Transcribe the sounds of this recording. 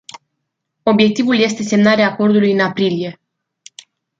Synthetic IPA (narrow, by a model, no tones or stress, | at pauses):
o̞bje̞k̚t̪ivulje̞st̪e̞se̞mnaɾeaːko̞rd̪ulujɨnapɾilije̞